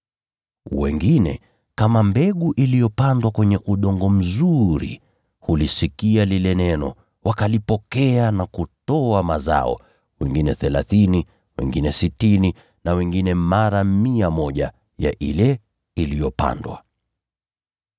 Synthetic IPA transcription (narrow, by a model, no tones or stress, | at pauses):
wɛ̰ŋɡinɛ̰ | kamambɛɠuʔilijɔpandwakwɛɲɛʔuɗɔŋɡɔm̩zuɾḭ | hulisikialilɛnɛnɔ̰ | wakalipɔkɛanakutɔamaza̰ɔ̰ | wɛŋɡinɛθɛlaθini | wɛ̰ŋɡinɛsitini | nawɛŋɡinɛmaɾamiamɔʄa̰ | ja̰ʔilɛ | ilijɔpa̰ndwa̰